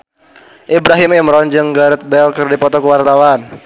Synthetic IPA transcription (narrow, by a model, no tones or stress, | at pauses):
ʔibɾaɦɪmimɾɔnd͡ʒɨŋɡaɾət̪̚bɛlkɨrdipɔt̪ɔkəwart̪awan